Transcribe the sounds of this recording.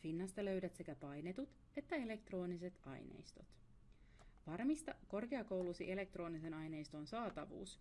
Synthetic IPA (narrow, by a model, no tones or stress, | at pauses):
finːɑst̪ɑlø̞ɥdæt̪se̞kæpɑjne̞t̪ut̪ | e̞t̪ːæe̞le̞k̚t̪ro̞ːnise̞t̪ɑ̰jnḛjst̪ot̪ | ʋɑrmist̪ɑko̞rke̞ɑko̞wlusiʔe̞le̞k̚t̪ro̞ːnise̞nɑjne̞jst̪o̞nsɑːt̪ɑʋṵːs